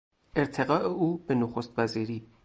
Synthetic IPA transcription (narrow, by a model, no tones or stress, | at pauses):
ʔeɾt̪ʰeɣɒːʔeʔuːb̥enoxost̪væziːɾiː